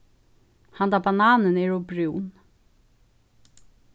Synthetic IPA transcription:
hand̪abanaːnənɛɹɔbɾuwn

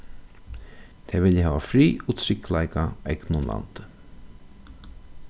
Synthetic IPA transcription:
t̪ʰɛːʋɪljəɦæːʋafɾiːʊt̪ʰɾɪklaɪkaɛknʊnla̰nt̪ə

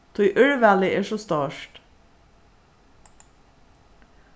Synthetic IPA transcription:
t̪ʰɔʏʔœɹʋælɪeːʃost̪ɑːʃʈ

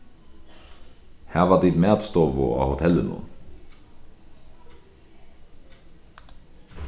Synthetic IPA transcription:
hæːʋɑd̪id̪mɛːd̪st̪oːʋo̰ɑ̰ːhʊt̪ʰɛlːənṵn

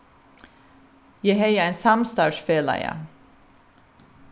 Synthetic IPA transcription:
jæɪhæɪəeːnsɑmst̪ɑːʃfeːlæ̰ɪə̰

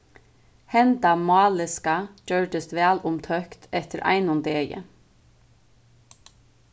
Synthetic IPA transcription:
hɛnd̪ɑmɑːlɪskɑd͡ʒœɹɖəst̪ʋæːlʊmt̪ʰœkt̪ʰɛt̪əɾʔæ̰ɪnʊnd̪eːjə̰

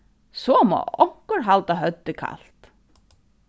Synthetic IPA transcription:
sɔːmo̰ːɔŋ̥kəɾɦalt̪aɦœt̪ːəkʰa̰lt̪

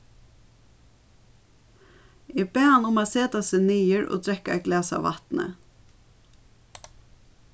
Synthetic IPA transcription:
ɛbeːhanʊmaːseːt̪aseːniːəɹo̰ːt̪ʰɾɛkaɛɡlɛːsa̰ʋɑt̪nə̰

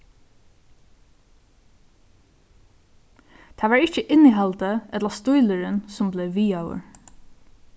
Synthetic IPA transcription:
t̪ʰɑːʋɑːɹɪt͡ʃəʔɪniɦɑlt̪əɛt̪lɑst̪ʊjləɹənsʊmbleːʋiːawə̰ɹ

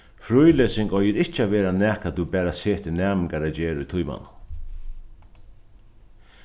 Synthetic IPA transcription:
fɾʊjleːsɪŋkɔjɪɾɪht͡ʃəaʋeːɾanæːkaubæːɾaseːt̪ɪnæːmɪŋkaɾad͡ʒeːɾʊjt̪ʰʊjma̰nʊn

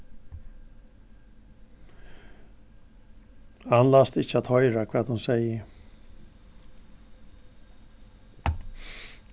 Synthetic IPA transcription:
hanlast̪ɪçːəat̪hɔʏɾakʰvɛːt̪hʊnsɛɪə

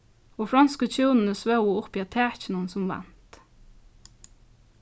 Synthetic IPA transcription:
oːfɾɑnskəc͡çʰʉːnn̩əsʋœʊəʊpiːɑt̪ʰæːçn̩ənsɔmʋæ̰nt̪

